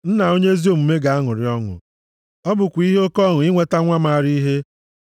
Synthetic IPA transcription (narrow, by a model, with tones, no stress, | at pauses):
n̩˦na˨o˦ɲe˦e˦zi˦o˦˨mu˨me˦ɡa˨a˦ŋʊ˨ɾɪ˨ɔ˦ŋʊ̰˨ | ɔ˦bʊ˨kʷi˦ɦe˦o˦kɔ˦˨ŋʊ˨ɪ˦ŋʷe˦ta˦ŋʷa˦ma˦˨ɾi˦ɦe˦